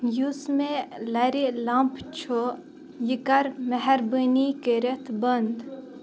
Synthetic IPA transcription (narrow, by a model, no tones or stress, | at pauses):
jusmelɐɾilãːmpt͡ʃʰo | jikɐɾmɐɦɛɾbənikəɾet̪ʰbɐnd̪